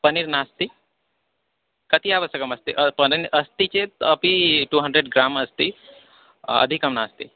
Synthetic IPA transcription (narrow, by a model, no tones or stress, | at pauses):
pɐniɾnaːst̪i | kɐt̪iaʋəsɐkɐmɐst̪iʔɐninʔɐst̪it͡ʃeɐpiʈuɦə̃ɳɖɾeɖɡɾaːmɐst̪i | ɐ̰d̪ʱikɐmnaːst̪i